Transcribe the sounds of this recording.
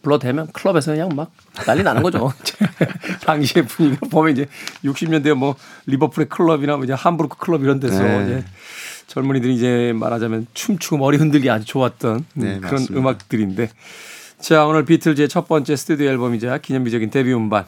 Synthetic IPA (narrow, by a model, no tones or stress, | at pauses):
puɭːʌdemjʌnkʰɯɭʌbe̞s̬ʰʌnɯɲaŋmak̚ | naʎːinanɯnɡʌd͡ʑoid͡ʑetaŋɕʰie̞puɲiɡapomjʌnid͡ʑe̞juk̚ɕ͈imɲʌndemwʌlibʌpʰɯɾekʰɯɭːʌbiɾamoid͡ʑe̞hambuɾkʰɯ̥kʰɯɭʌbiɾʌnde̞sʰʌid͡ʑe̞t͡ɕʌɭmuɲidɯɾiid͡ʑe̞ma̰ɾɦad͡ʑamjʌnt͡ɕʰumt͡ɕʰuɡɯmʌɾiɦɯndɯɭɡeaɲit͡ɕoat̚t͈ʌnkɯɾʌnɯmak̚t͈ɯɾinde̞ | t͡ɕeaɡaonɯɭpitʰɯɭd͡ʑe̞t͡ɕʰʌt̚p͈ʌnt͡ɕ͈e̞sʰɯ̥tʰud̪ioaɭbʌmid͡ʑakiɲʌŋbid͡ʑʌɡinte̞biɯmban